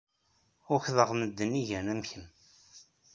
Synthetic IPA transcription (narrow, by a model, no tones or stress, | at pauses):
ʊçðəʁməd̪ːəniʝænæmçən